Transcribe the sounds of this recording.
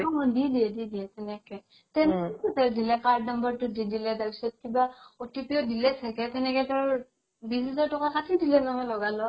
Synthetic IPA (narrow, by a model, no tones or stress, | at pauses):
ɔmɔdidiɛdidiɛtɛnɛkɛ | tɛnɛkɛtutɛɹdilɛkaɹdnɔmbəɹtʊdidilɛtabisɔt̚kibaɔtipiɔdilɛsakɛtɛnɛkɛtaɹ | bisizaɹtɔkakatʰidilɛnamɔlɔɡalɔ